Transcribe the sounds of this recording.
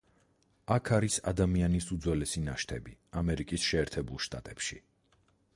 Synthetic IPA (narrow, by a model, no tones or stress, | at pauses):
akʰaɾisa̰d̪amianisud̪zwɛlɛsinaʃt̪ʰɛbiamɛɾikʼisʃɛːɾt̪ʰɛbulˠʃt̪ʼat̪ʼɛpʃi